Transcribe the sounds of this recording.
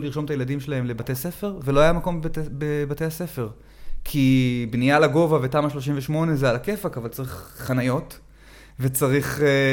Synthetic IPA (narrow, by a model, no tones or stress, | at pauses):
uliʁʃo̞mt̪ajelad̪imʃe̞laɦe̞mle̞bate̞jsefe̞ʁveloajamako̞mbebate̞jase̞fe̞ʁ | kʰibnijalaɡo̞vavetamaʃlo̞ʃ̬imveʃmo̞ne̞zealake̞fakavalt͡saʁiχχanajo̞t | vet͡saʁiχ